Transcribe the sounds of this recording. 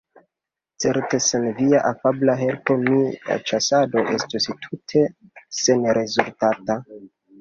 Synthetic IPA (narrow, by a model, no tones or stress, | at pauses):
t͡se̞ɾte̞senviaʔafablaɦe̞lto̞mia̰t͡ʃasado̞ʔe̞stustʰutʰe̞se̞nɾe̞zultata